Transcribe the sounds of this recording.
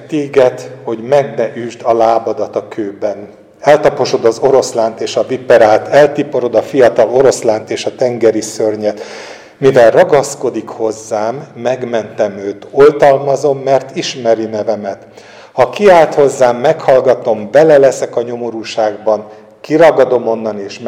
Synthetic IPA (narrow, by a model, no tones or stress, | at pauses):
t̪eːɡɛt̪ho̞ɟmɛɡnɛʔyːʒd̪ɒlaːbɒd̪ɒt̪ɒkʰøːbɛn | ɛlt̪ɒpo̞ʃo̞d̪ɒzo̞ɾo̞slaːnt̪eːʃɒvipɛɾaːlt̪ɛlt̪ipo̞ɾo̞d̪ɒfijɒt̪ɒlo̞ɾo̞slaːnt̪eːʃɒt̪ɛŋɡɛɾisørɲɛt̪ | mivɛlrɒɡɒsko̞d̪ikho̞zːaːmːɛɡmɛnt̪ɛmøːt̪o̞lt̪ɒlmɒzo̞mːɛrt̪iʃmɛɾinɛvɛmɛt̪ | hɒkiaːlt̪ho̞zːaːmːɛkhɒlɡɒt̪o̞mbɛlɛlɛsɛkɒɲo̞mo̞ɾuːʃaːɡbɒn | kiɾɒɡɒd̪o̞mo̞nːɒneːʃ